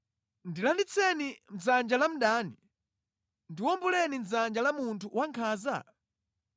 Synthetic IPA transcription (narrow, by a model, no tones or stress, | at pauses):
ndilandit͡sʰɛnim̩d͡zand͡ʒalam̩ɗaːni | ndiwɔmbulɛnin̩d͡zand͡ʒalamuntʰuwaŋkʰaːza̰